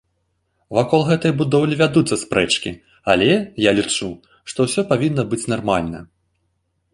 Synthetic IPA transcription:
vakɔlˠɣɛt̪ɐjbud̪ɔwlʲivʲad̪ut̪sːɐspɾɛt͡ʂkʲḭ | alʲɛjalʲit͡ʂu | ʂt̪ɔwsʲɔpavʲinːɐbɨt͡sʲnarmalʲnɐ̰

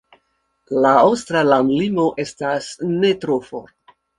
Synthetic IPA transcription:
laowstɾalamlimo̞ʔe̞stasne̞tɾofo̰

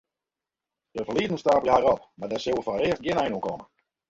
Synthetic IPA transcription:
d̥əfərliədnəstaːpələhaɾɔp̚madɛsøwˠəfɔnərɪəst̚ɡjɪnɛjnuəŋkɔmə

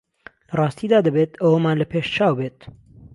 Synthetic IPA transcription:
lɐrˤɑːst̪id̪aːd̪əbeːt̪əwomaːnlɐpʰeːʃt͡ʃʰaːwbeːt̪̚

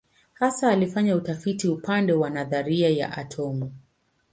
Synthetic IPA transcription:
hasaːlifaɲautafitiupandɛwanaðaɾiaja̰ʔa̰tʰɔmu

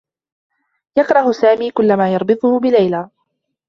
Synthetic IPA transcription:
jɑkɾˤɑhʊsaːmiːkʊlːamaːjɑɾˤbɨt̪ˤʊhʊbɪlajlaː

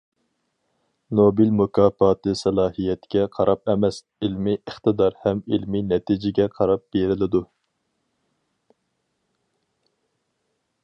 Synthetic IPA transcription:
nobilmukʰɑːfɑːt̪ʰɨsɛlˠɑːhijɛt̪ɡʲɛqʰɑɾʔɑpɛmɛs | ilmɪʔəχt̪ɨd̪ɑɾhɛmilminɛt̪ʰid͡ʒɪɡʲɛqʰɑɾɑp̚b̥eɾɪlɪd̪u

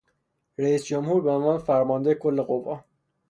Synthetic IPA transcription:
ɾæiːsd͡ʒomhuːɾbeonvɒːnefæɾmɒnd̪eekʰolːe̞ɣovːɒː

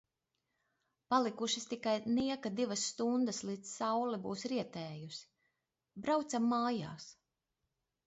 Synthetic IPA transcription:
palˠikuʃist̪ikajniɛkad̪ivɐsːt̪und̪ɐslˠit̪ssawlibuːsɾiɛt̪ɛːjusi̥ | bɾawt̪samːaːja̰ːs

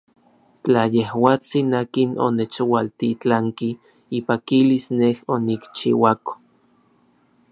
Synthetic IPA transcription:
t͡ɬajehwaːt͡sinaːkino̰net͡ʃwalt̪it͡ɬaŋki | ipakilisnehonikt͡ʃḭwako̥

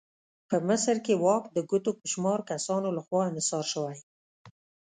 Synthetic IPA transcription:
pəmɪsɾkewɑkd̪əɡʊt̪opəʃmɑɾkasɑnolaxwɑɪmɪsɑɾʃəwaj

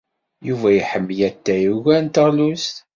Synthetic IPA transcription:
juvæjəħəmːjæt̪ːæjuʝænt̪əʁlust̪

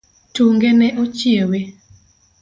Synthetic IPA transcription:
tuŋɡenɛʔot͡ʃiewe

